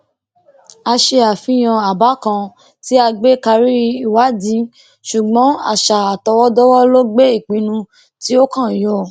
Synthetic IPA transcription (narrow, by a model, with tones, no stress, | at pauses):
a˧ʃe˧a˨fĩ˧˦j̃ã˧a˨ba˨˦kã˧ | ti˦a˧ɡ͡be˦ka˧ɾi˦i˨wa˨˦dĩ˨˦ | ʃu˨ɡ͡bɔ̃˨˦a̰˨ʃa˨a˨tɔ˧wɔ˦dɔ˦wɔ˦lo˦ɡ͡be˦i˦˨k͡pĩ˧˦nũ˧ | ti˦o˦kã˦˨jɔ˧˨